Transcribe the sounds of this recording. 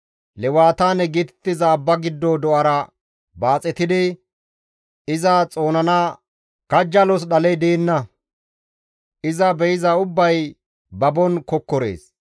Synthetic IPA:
lɛwaːt̪aːnɛɡɪt̪t̪ːɪzɐːbːɐɡɪd̪ːɔd̪ɔʔɐɾɐ | baːt͡sʼɛt̪ɪd̪ɪ | ɪzɐt͡sʼo̞ːnɐna | kɐd͡ʒːɐlɔsɗɐlɛjd̪eːnːɐ | ɪzɐbɛjɪzɐʊbːɐj | bɐbɔnkɔkːɔɾḛːs

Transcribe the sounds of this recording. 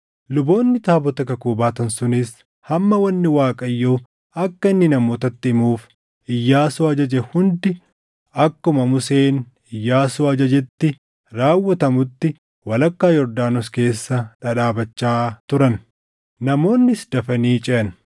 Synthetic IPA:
lʊbo̞ːnːɪt̪aːbɔt̪ɐkɐkuːbaːt̪ɐnsʊnɪs | hɐmːɐwɐnːɪwaːkʼɐjːoː | ɐkːɐɪnːɪnɐmoːt̪ɐt̪ːɪɪmuːf | ɪjːaːsoːɐd͡ʒɐd͡ʒɛhʊnd̪ɪ | ɐkːʊmɐmʊseːn | ɪjːaːsuːɐd͡ʒɐd͡ʒɛt̪ːɪ | ɾaːwːɐt̪ɐmʊt̪ːɪ | wɐlɐkːaːjɔɾd̪aːnɔske̞ːsːɐᶑɐᶑaːbɐt͡ʃːaːt̪ʊɾɐn | nɐmo̞ːnːɪsd̪̥ɐfɐniːt͡ʃʼɛʔɐn

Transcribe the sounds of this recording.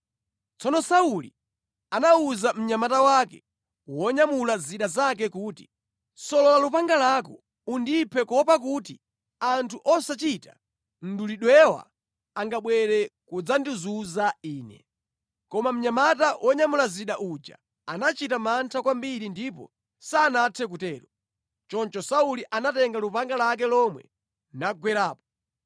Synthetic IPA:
t͡sɔnɔsaulḭ | anauzam̩ɲamatawakɛ | wɔɲamulaziɗazak̬ɛkuːti̥ | sɔlɔlalupaŋɡalakɔ | undipʰɛkɔpak̬uti | antʰuʔɔsat͡ʃita | n̩duliɗwɛwa̰ | aŋɡaɓwɛɾɛkud͡zandizuzaiːnɛ̰ | kɔmam̩ɲamatawʔɔɲamulaziɗaʔud͡ʒa̰ | anat͡ʃitamantʰakwambiɾindipɔ̰ | saːnatʰɛk̬utɛːɾɔ | t͡ʃɔnt͡ʃɔsauliʔanatɛŋɡalupaŋɡalak̬ɛlɔmwɛ̰ | naɡwɛɾaːpɔ̥

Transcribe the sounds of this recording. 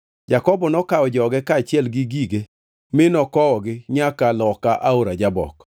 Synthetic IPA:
d͡ʒakɔbɔnɔkaɔd͡ʒɔɡɛkaːt͡ʃɪɛlɡɪɡiɡe | mɪnɔkɔwɔɡɪɲakalɔkaʔaoɾad͡ʒabɔ̰k

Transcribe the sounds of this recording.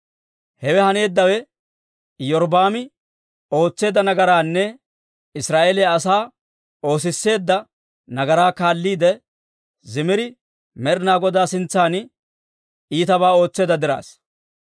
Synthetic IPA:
hɛwɛhɐne̞ːd̪ːɐwɛ | jɔɾbaːmɪ | o̞ːt͡sːe̞ːd̪ɐnɐɡɐɾaːnːɛ | ɪsɾaːʔelɛɐsaː | o̞ːs̬ɪsːe̞ːd̪ːɐ | nɐɡɐɾaːkaːlːiːd̪ɛ | zɪmɪɾɪ | mɛɾnaːɡɔd̪aːsɪnt͡sːaːn | iːt̪ɐbaːo̞ːt͡sːe̞ːd̪ɐd̪ɪɾa̰ːs

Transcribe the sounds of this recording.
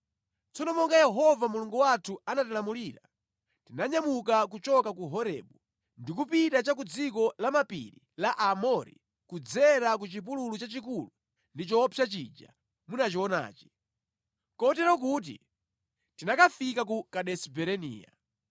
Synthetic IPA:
t͡sɔnɔmɔŋɡajɛɦɔvamuluŋɡuwatʰuanatilamuliɾa | tinaɲamuk̬akut͡ʃɔkakuɦɔɾɛ̰ɓu | ndik̬upitat͡ʃakud͡zikɔlamapḭɾḭ | laʔamɔɾḭ | kud͡zɛɾak̬ut͡ʃip̬ululut͡ʃat͡ʃikulu | ndit͡ʃɔːpʰat͡ʃid͡ʒa̰ | munat͡ʃiɔna̰ːt͡ʃi̥ | kɔt̬ɛɾɔk̬ut̬ḭ | tinakafikak̬ukaɗɛsbɛɾɛnḭːja̰

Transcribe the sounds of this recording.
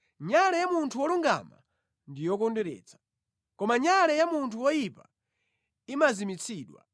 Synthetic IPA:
ɲalɛjamuntʰuwɔluŋɡa̰ma̰ | ndijɔkɔndɛɾɛ̰ːt͡sʰḁ | kɔmaɲalɛjamuntʰuwɔjipa̰ | imazimit͡sʰiːɗwa̰

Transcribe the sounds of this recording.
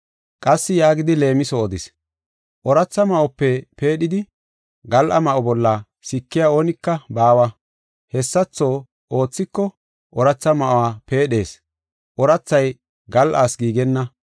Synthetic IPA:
kʼɐsːɪjaːɡɪd̪ɪle̞ːmɪsɔːd̪ɪs | ʔɔɾɐt͡sːɐmɐʔɔpːɛpe̞ːɗɪd̪ɪ | ɡɐlʔɐmɐʔɔbɔlːɐ | sɪkːɪjaːo̞ːnɪkːɐbaːwɐ | hɛsːɐt͡sːo̞ː | ʔoːt͡sːɪkːɔ | ʔɔɾɐt͡sːɐmɐʔɔwaːpe̞ːɗe̞ːs | ʔɔɾɐt͡sːɐj | ɡɐlʔaːsɡiːɡɛnːɐ

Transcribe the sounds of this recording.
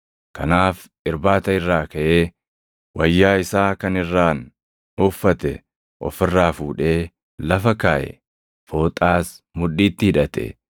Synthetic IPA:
kɐnaːfʔɪɾbaːt̪ɐɪrːaːkɐʔe̞ː | wɐjːaːɪsaːkɐnɪrːaːn | ʊfːɐt̪ɛ̰ | ʔɔ̰fɪrːaːfuːᶑe̞ː | lɐfɐkaːʔɛ̰ | fo̞ːt̪ʼaːsmʊᶑːiːt̪ːɪhɪᶑɐt̪ɛ̰

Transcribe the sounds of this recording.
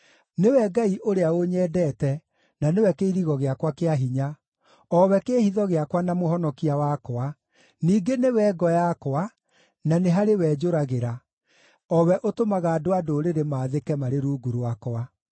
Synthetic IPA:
newɛɡaiʔoɾeaoɲɛːdɛːtɛ | nanewɛkeiɾiɣɔɣeakwakeaɦiɲa | ɔwɛkeːhiðɔɣeakwanamoɦɔnɔkiawakwa | niːɡenewɛːɡɔjakwa | naneɦaɾewɛːd͡ʒoɾaɣeɾa | ɔwɛʔotomaɣaːdoadoːɾeɾemaːðekɛmaɾeɾuːɡuɾwakwa

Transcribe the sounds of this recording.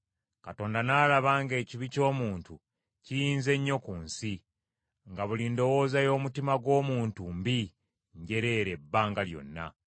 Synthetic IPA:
kato̞ːndanaːlaβaŋɡe̞ːciβico̞ːmuːntu | cijiːnze̞ɲːo̞kuːnsi | ŋɡaβulindo̞wo̞ːzajo̞ːmutimaɡwo̞ːmuːntumbi | ɲɟe̞ɾe̞ːɾe̞bːaːŋɡaljo̞̰nːa̰

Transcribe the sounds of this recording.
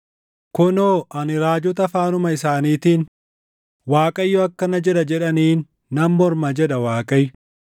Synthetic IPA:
kɔnoːʔɐnɪɾaːd͡ʒɔt̪ɐfaːnʊmɐɪsaːniːt̪iːn | waːkʼɐjːɔɐkːɐnɐd͡ʒɛᶑɐd͡ʒɛᶑɐniːnː | ɐmːɔɾmɐd͡ʒɛᶑɐwaːkʼɐjːʊ

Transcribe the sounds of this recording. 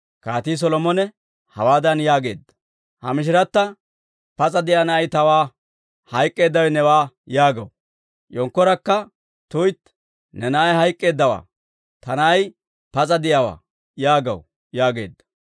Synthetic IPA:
kaːt̪iːs̬ɔlɔmɔnɛ | hɐwaːd̪ɐnjaːɡe̞ːd̪ːɐ̥ | hɐmɪʃ̬ɪɾɐt̪ːɐ | pɐt͡sʼɐd̪ɪʔɐnɐʔɐjt̪ɐwaː | hɐjkʼːe̞ːd̪ːɐwɛnɛwaː | jaːɡɐw | jɔŋkːɔɾɐkːɐ | t̪ʊjt̪ | nɛnɐʔɐjhɐjkʼːe̞ːd̪ːɐwa̰ː | t̪ɐnɐj | pɐt͡sʼɐd̪ɪjɐwa̰ː | jaːɡɐw | jaːɡe̞ːd̪ːɐ̥

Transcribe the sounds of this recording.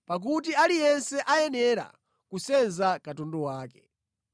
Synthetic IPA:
pak̬ut̬ialijɛnsɛʔajɛnɛɾa̰ | kusɛnzakatɔndɔwaːkɛ̥

